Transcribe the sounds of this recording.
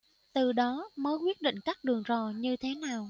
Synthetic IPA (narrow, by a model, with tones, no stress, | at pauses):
t̪ɨ˨˩ɗɔ˨˦məː˨˦jkwi˦˥ət̚ɗḭ̈˧˨ŋ̟kaː˦˥k̚ɗɨ˨˩əŋzɔ˨˩ɲɨ˧t̪ʰe˨˦naː˨˩w